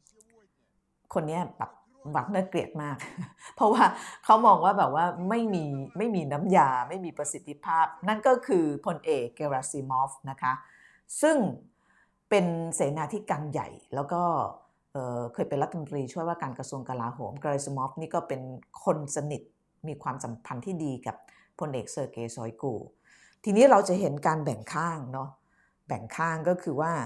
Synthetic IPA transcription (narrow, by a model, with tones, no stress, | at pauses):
kʰo˧nːi˦˥ɐbɛ̰ː˨˩p̚ | wa˦˥k̚nɯ˥˩kli˨˩ət̪̚maː˥˩k̚pʰɔ˦˥waː˥˩kʰa˦˥wmɔː˧ŋwaː˥˩bɛː˨˩p̚waː˥˩ma˥˩jmiː˧ma˥˩jmiː˧na˦˥mjaː˧ma˥˩jmiː˧pɾa˧si˨˩t̪ʰːi˦˥pʰaː˥˩p̚na˥˩nkɔː˥˩kʰɯː˧pʰo˧nʔeː˨˩kːeː˧ɾaː˧siː˧mɔː˦˥fna˦˥kʰa˦˥ | sɯ˥˩ŋ | pe˧nseː˩˦naː˧t̪ʰiː˥˩kaː˧ŋja̰˨˩jlɛː˦˥wkɔː˥˩ | ʔɤː˨˩kʰɤː˧jpe˧nɾa˦˥t̪ʰːa˧mo˧nt̪ɾiː˧t͡ɕʰu˥˩əjwaː˥˩kaː˧nkɾa˧su˧əŋka˧laː˧ɦo̰ː˩˦mkɾa˧ɾe˧smɔː˦˥f̚niː˥˩kɔː˥˩pe˧nkʰo˧nsa˧ni˨˩t̪̚ | miː˧kʰwaː˧msa˩˦mpʰa˧nt̪ʰiː˥˩diː˧ka˨˩p̚ʰː | o˧nʔeː˨˩k̚sɤː˧˩keː˧sɔ̰ː˨˦jkṵː˧ | t̪ʰiː˧niː˦˥ɾa˧wt͡ɕa˨˩ɦe˩˦nkaː˧nbɛ˨˩ŋkʰaː˥˩ŋnɔ˦˥ | bɛ˨˩ŋkʰaː˥˩ŋkɔː˥˩kʰɯː˧waː˥˩